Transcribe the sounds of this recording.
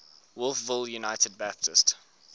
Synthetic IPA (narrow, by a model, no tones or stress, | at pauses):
wʊlˠfvɪljunaɪtəd̚bæp̚tʰɪst